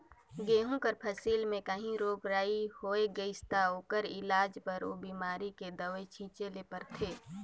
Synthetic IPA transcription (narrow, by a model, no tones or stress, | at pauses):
ɡeːɦũpəɾpʰəsiːlmẽkəɦĩɾoːkɾaːihoːeɡəɪst̪aoːkəɾɪlaːd͡ʒpəɾoːbiːmaːɾiked̪əʋet͡ʃʰĩːt͡ʃelepəɾt̪ʰeː